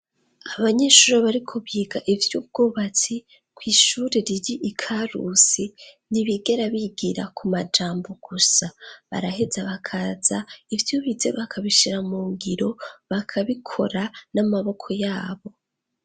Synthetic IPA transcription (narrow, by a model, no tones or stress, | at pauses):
aβaɲe̞ʃuːɾeβaɾikʰoβiːɡaʔivjub̚ɡ̥oːβat͡si | kwiːʃuːɾeɾiɾiʔikʰaɾṵsi | niβiɡe̞ɾaβiɡiɾa̰kʰumad͡ʒaːmbo̞ɡ̥usaβa̰ɾahe̞zaβakʰaz̥aivjoβizeβakʰaβiʃiɾamuːŋɡiɾo̞βakʰaβikʰo̞̰ɾanamaβo̞kʰo̞jaːβo̞